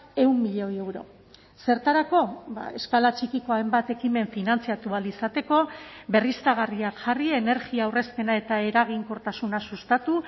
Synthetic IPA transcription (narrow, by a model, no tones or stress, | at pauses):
e̞umːiʎojewɾo̞̰ | se̞ɾt̪aɾako̞ba̰e̞skalat͡ʃikiko̞aembat̪e̞kime̞ɱfinant͡siat̪ualisat̪e̞ko̞be̞rist̪aɣ̞ariakʝarie̞ne̞ɾɣiaːwre̞spe̞nae̞t̪ae̞ɾaɣ̞iŋko̞ɾt̪asunasust̪at̪u